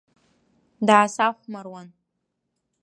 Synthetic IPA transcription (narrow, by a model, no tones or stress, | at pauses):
daːsaχʷmarwan